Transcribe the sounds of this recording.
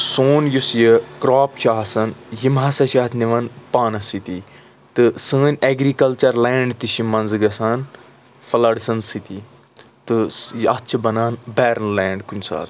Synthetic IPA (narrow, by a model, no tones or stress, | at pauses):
soːnjusjəkɾaːpʃaːɦɐsɐnjimɦɐsɐʃaːt̪ʰniʋɐnpaːnɐsit̪i | t̪ɨsəːnʲeɡɾikɐlt͡ʃɐɾleːɳɖt̪iʃimɐnzɨɡɐsaːn | fɐlɐɽsɐnsit̪i | t̪ɨjɐt͡ʃʰɐbɐnaːnbɛːɾɐnlɛːɳɖkunʲsa̰ːt̪